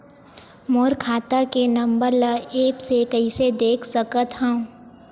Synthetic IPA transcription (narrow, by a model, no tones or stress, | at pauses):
moːɾkʰaːt̪akenɐ̃mbəɾlaeːpsekəised̪eːkʰsəkət̪ɦə̃